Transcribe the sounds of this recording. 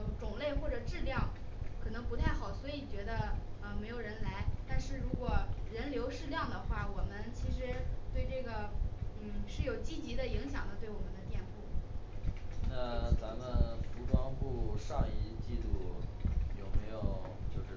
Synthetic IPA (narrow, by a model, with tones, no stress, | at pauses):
ʈ͡ʂʊ˨˩ŋle˥˧ɪxwɔ˥˩ʈ͡ʂɤ˨˩ʈ͡ʂɻ̩˥˧ljɑ˥˩ŋ | kʰɤ˨˩nɤ˧˥ŋpu˧˥t̪ʰa˥˩ɪxɑ˨˩˦ʊswɔ˧˥i˨˩t͡ɕɥɛ˧˥d̪ə˧ə˧me˧˥ɪjo˨˩ʊɻə˧˥nla˧˥ɪt̪a˥˧nʂɻ̩˥˩ɻu˧˥kwɔ˨˩ɻə˧˥nljo˧˥ʊʂɻ̩˥˧ljɑ˥˩ŋd̪ə˩xwa˥˩wɔ˨˩mə˦nt͡ɕʰi˧˥ʂɻ̩˧˥t̪we˥˧ɪʈ͡ʂɤ˥˩ɡə˩n̩˥˩ʂɻ̩˥˩jo˨˩ʊt͡ɕi˥t͡ɕi˧˥d̪ə˧i˧˥ŋɕjɑ˨˩ŋd̪ə˦t̪we˥˩ɪwɔ˨˩mə˦nd̪ə˧˦t̪jɛ˥˧npu˥˩ | na˥˧˩t͡sa˧˥mə˧nfu˧˥ʈ͡ʂwɑ˥ŋpu˥˩ʂɑ˥˧ŋi˥˧t͡ɕi˥˧lu˥˩jo˨˩ʊme˧˥ɪjo˨˩ʊ | t͡ɕjo˥˧ʊʂɻ̩˥˩